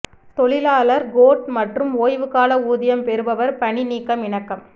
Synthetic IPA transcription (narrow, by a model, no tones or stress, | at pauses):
t̪ɔɭɪlaːlɐɾɡoːʈ̚mɐʈrɯmoːjʋɯkaːlɐuːðɪjɐmpɛɾɯbɐʋɐɾpɐɳɪniːkːɐmɪɳɐkːɐm